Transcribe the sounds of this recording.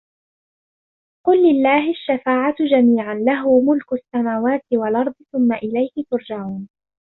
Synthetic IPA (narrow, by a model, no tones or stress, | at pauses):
qʊlːɪlːaːɦɪaʃːafaːʕat̪d͡ʒamiːʕanlaɦʊmʊlkʊasːamaːwaːt̪ɪwalʔɑɾˤd̪ˤθʊmːaʔɪlajhɪt̪ʊɾˤd͡ʒaʕuːn